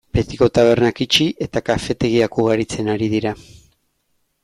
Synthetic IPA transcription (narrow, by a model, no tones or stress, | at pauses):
b̥e̞t̪iko̞t̪aβ̞e̞ɾnakit͡ʃiʔe̞t̪akafe̞t̪e̞ɣ̞iakuɣ̞aɾit͡se̞naɾiðiɾa